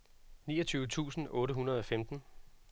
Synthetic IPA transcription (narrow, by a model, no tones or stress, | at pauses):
nḭːɐt͡sʰyːʊət͡sʰṵːsn̩ɔ̽ːɾəɦunɐð̞ˠɒ̽femd̥n̩